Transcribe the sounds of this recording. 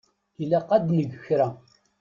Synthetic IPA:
ilæqːad̪nəɡəçɾæ

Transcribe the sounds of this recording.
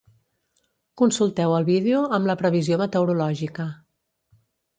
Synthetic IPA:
kunsulˠt̪ɛwəlˠβiðeuəmləpɾəβ̞iziomət̪əwɾulɔʒikə

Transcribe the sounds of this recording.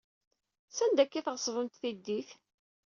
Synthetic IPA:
sænd̪ækːiθʁəsˤvəmt̪θid̪ːiθ

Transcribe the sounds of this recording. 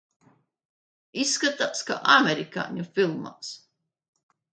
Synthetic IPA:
isːkat̪aːska̰ʔamʲeɾika̰ːɲʲufilˠma̰ːs

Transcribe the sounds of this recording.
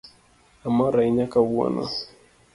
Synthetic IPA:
amaɾaiɲakawua̰na̰

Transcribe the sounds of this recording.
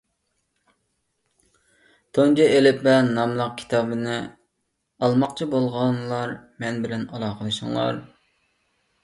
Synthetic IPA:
t̪ʰond͡ʒiʔelɪpbɛnnːɑmlˠəq̚kʲʰi̥t̪ʰɑːbɨnɨ | ɑlˠmɑqt͡ʃʰibolˠʁɑnlˠɑɾmɛnbɪlɛnɑlˠɑqəlˠɨʃɪ̰ŋlˠɑ̰ɾ

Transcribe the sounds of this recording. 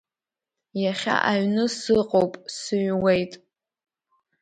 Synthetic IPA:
jaχʲa̰ʔaɥnɨsɨqʼowpʼsɨɥwejtʼ

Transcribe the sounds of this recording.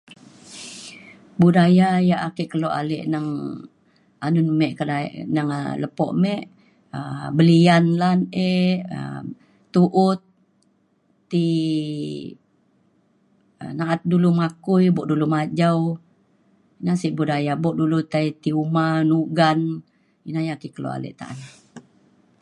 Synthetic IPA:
budajajaʔakiʔkəloʔa̰lɛ̰ʔnaŋ | anʊnmɛʔkəda̰ʔnaŋ̰ləpɔ̰ʔmɛʔ | əbəlianlaneə̰ː | uʔʊt̪̚ | i | ə̰naat̪̚dulumakujbɔʔdulumad͡ʒaw | inasiʔbudajabɔʔdulut̪ait̪iumanuɡan | inajakikəlo̰ʔa̰lɛ̰ʔt̪a̰ʔana

